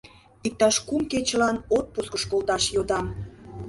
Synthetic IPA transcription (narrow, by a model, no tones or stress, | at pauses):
ik̚t̪ɑʃkumket͡ɕəlɑnot̪̚puskəʃkolt̪ɑʃjod̪ɑm